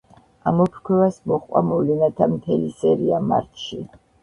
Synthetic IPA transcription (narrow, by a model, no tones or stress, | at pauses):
amɔpʰɾkʰwɛvasmɔχqʼwa̰mɔvlɛnat̪ʰamt̪ʰɛlisɛɾiama̰ɾt̪ʰʃi